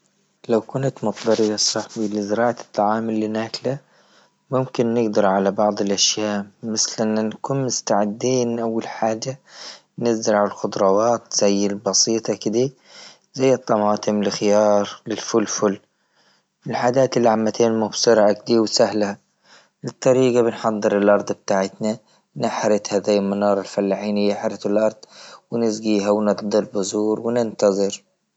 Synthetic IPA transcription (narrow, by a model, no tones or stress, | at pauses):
lawkʊnt̪mʊt̪ˤd̪ɑɾˤɪjɑsˤɑħbilɪzɾɑːʕt̪ʰˤːɑʕɑːmɪlːinaːkla | mʊmkɪnːɪɡd̪ɑɾˤʕalabɑʕðˤɪlʔaʃjaːʔmɪθlʔɪnːankuːnmʊst̪aʕɪd̪ːiːnʔawːalħaːd͡ʒːa | nɪzɪlʕalalxʊd̪ˤɾˤɑwɑːt̪z̥ajːɪlbɑsˤiːt̪ˤɑkɪd̪i | zajːɨt̪ˤːɑmɑːt̪ˤʰɨmlɪxɪjɑːɾˤlɪlfʊlːfʊlː | ɪlħaːd͡ʒaːt̪ɪlːiʕamːat̪ʰeːnmʊbsɨɾʕak̚d̪iːwsahlha | ʔɨt̪ˤːɑɾiːɡabɪnħɑd̪ˤːɨɾɪlʔɑɾˤd̪ˤb̚t̪aːʕɪt̪na | nɪħɾɪt̪haðaːjɪlmanɑːɾˤɪlfalːaħiːnɪjːɪħɾɪθɪlʔɑɾˤd̪ˤwnɪzɡiːɦawnɪt̪d̪ˤɨlbɪzuːɾwnɪnt̪ɑðˤɨɾ